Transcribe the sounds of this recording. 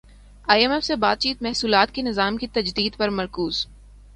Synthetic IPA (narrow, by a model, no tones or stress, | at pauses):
aːiɛmɛfsebaːd̪̚t͡ʃiːt̪mɛɦsuːlaːt̪kenɪzaːmkit̪ɐd͡ʒd̪iːd̪pɐɾmɐɾkuːz̥